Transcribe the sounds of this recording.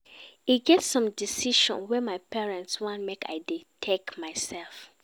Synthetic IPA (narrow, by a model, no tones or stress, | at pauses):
iɡɛtsɔ̃mdisiʃɔ̰̃nwɛmaɪpʰɛɹɛ̃ntswɔ̃nmeka̰ɪditʰekmaɪsɛlf